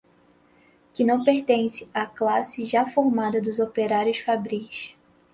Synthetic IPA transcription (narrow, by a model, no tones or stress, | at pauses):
kɪnɐ̃w̃peɾt̪ẽsɪ̥aklasɪʒafoɾmad̪ɐd̪ʊzopeɾaɾjʊsfabɾiʃ